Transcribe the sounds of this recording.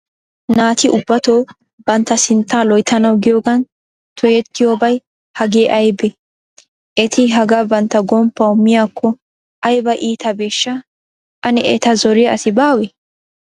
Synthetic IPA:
naːt̪ɪʔʊbːɐt̪oː | b̥ɐnt̪ːɐsɪnt̪ːaːlɔjt̪ʰɐnɐwɡɪjoːɡɐn | t̪ʰɔjɛt̪ːɪjoːbɐj | hɐɡeːʔɐjbɛ | ʔɛt̪ʰɪɦɐɡɐbɐnt̪ːɐɡɔmpːɐʊmːɪjaːkʰːɔ | ɐjbɐʔiːt̪ɐbeːʃːɐ | ʔɐnɛɛt̪ɐzɔɾɪjɐsɪbaːwɛ

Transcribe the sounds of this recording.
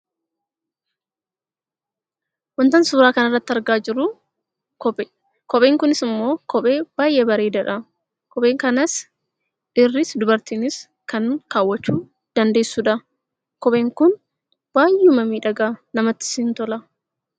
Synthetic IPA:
wɐnt̪ɐnsuːɾaːkɐnɐrːɐt̪ːɪɐɾɡaːd͡ʒɪɾʊ | kɔpː | kɔpʼeːŋkʊnɪsɪmːo̞ːkɔpʼe̞ːb̥aːjʔeːbɐɾeːd̪ɐᶑɐ | kɔpʼe̞ːŋkɐnɐs | ʔɪrːɪsd̪ʊbɐɾt̪iːnɪs | kɐnkaːwːɐt͡ʃːuː | d̪̥ɐnd̪e̞ːsːuːᶑɐ | kɔpʼe̞ːŋkʊn | b̥aːjʊmɐmiːᶑɐɡaːnɐmɐt̪ːɪ̥sɪnt̪ɔlɐ

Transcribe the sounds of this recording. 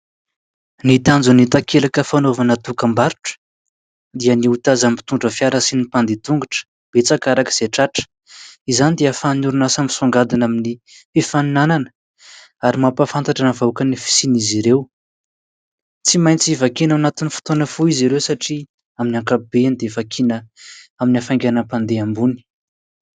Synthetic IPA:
nit̪and͡zunit̪akʰelakəfanovanat̪ukəmbaɾu̥ʈ͡ʂə̥ | d̪iəniut̪azampi̥t̪uɳɖ͡ʐəfjaɾəsinipand̪it̪uŋɡuʈ͡ʂə̥ | b̥et͡sakaɾakə̥z̥eʈ͡ʂaʈ͡ʂə̥ | izanid̪eəfannuɾunasami̥soŋɡad̪inamini | efaninananə | aɾimapafant̪aʈ͡ʂanavakənifi̥siniziɾew | t͡simajnt͡siivakinawnat̪inifi̥t̪onəfuiziɾewsaʈ͡ʂi | aminiakabeanid̪evakʰinəaminafaŋɡanəpand̪eambuni̥

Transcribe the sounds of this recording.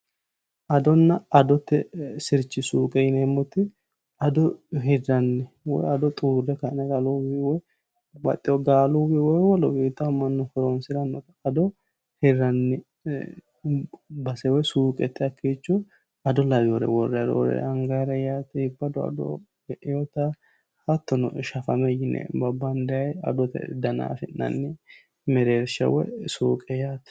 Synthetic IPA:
ʔɐd̪ɔnːɐɐd̪ɔt̪ːɛsɪɾt͡ʃːɪsuːkʼɛɪnɛːmːɔt̪ɪ | ɐd̪ɔɦɛdɐnːɪ | wɔ̰jɐd̪ɔt̪ʼuːɾɛkanɛɡalubiwɔj | bɐ̰t̪ʼːɪɔɡaːlubiwɔjwɔlɔbiːt̪ːɐmːɐnːʊfɔɾonsɪɾɐnːɔk̪ɐɐd̪ɔ | hɛɾɐnːɪ | bɐsɛwɔjsuːkʼɛt̪ːɪɐkʰːiːt͡ʃːʊ | ɐd̪ɔlɐbjɔɾɛ̰wɔrːɛɾo̰ɾɛ̰ɐŋɡaɾɛjaːt̪ɛhɪbːɐd̪ɔɐ̰d̪ɔ̰ | ɡɛʔɪjɔt̪a | hɐt̪ːɔnɔ̰ʃɐfɐmɛjɪnɛ̰bɐbːɐnd̪ɛjɐjɐ̰d̪ɔt̪ɛ̰d̪ɐna̰ːfɪnːɐ̰nːɪ | mɛɾeːɾʃɐ̰wɔ̰jsuːkʼɛjaːt̪

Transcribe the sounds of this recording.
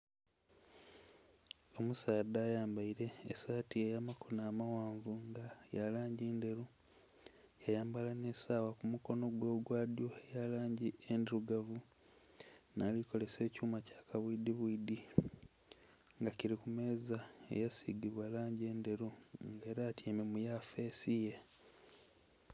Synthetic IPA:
o̞musaːdaːjaːmbaiɾe̞ːsaːtiejamakʰonaːmawaːɱvuŋɡajalaːɲɟiːnde̞ɾu | jajaːmbalane̞saːwakumuko̞no̞ɡwo̞ːɡwaːdjo̞ejalaːɲɟiendiɾuɡavu | naːliko̞le̞se̞ːcuːmacḁːkaβwiːd̪iβwiːd̪i | ŋɡaciɾikume̞ːzaḛjasiɡiβwalaːɲɟeːnde̞ɾuŋɡe̞ːɾaːtjememujafe̞ːsije̞

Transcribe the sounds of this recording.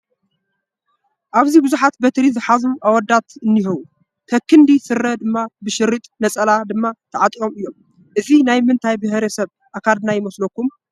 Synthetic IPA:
ʔaβzibɨzuħat̪bɐt̪ɾizɨħazuʔawɔd̪at̪ɨnːihɨβu | t̪ʰɐkʰːɨnd̪isɨɾːɐd̪ɨmːabɨʃɨɾit̪ʼnɐt͡sʼɐlad̪ɨmːat̪ʰɐʕat̪ʼio̞mɨjːo̞m | ʔɨzinajmɨnt̪ʰajbɨhɾɐsɐβ | ʔakʰalnajɪmɐslokːum

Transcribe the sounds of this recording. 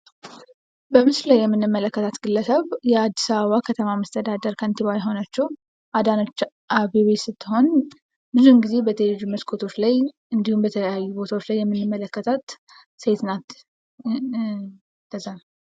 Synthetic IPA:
bəmɨsllajːɛmːɨnːɨmːələkːət̪ʰat̪ɡɨlːəsəβjɛad̪ːisaβəβakʰət̪ʰəmaməst̪ʰəd̪ad̪əɾkʰənt̪iβajɪɦo̞nat͡ʃːɛw | ʔad̪anot͡ʃː | ʔaβeβesɨt̪ːɨho̞n | bɨzuɨŋɡize̞bət̪ʰəjd͡ʒuməskʰot̪ʰo̞t͡ʃlaj | ɨnd̪ihumbət̪ʰələjajːubo̞t̪ʰawot͡ʃlajːɛmːɨnːɨmːələkːət̪ʰət̪ | set̪nat̪ | t̪ʰːəzan

